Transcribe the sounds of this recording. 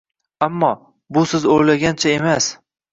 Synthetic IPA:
amːɒ | bʊsɪzoɾlaɡʲant͡ʃʰaemas

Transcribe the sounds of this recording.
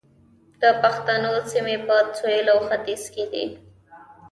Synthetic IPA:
d̪̥əpaxt̪anosimepət͡sojəlawxat̪isked̪ḭ

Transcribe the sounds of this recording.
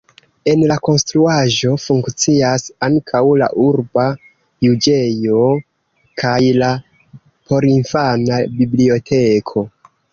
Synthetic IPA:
e̞nlako̞nstɾuaʒo̞fuŋkt͡siasaŋkʰawla̰ʔuɾba | jud͡ʒejo̞ | kʰajla | pʰo̞ɾinfanabiblio̞tʰe̞kʰo̞

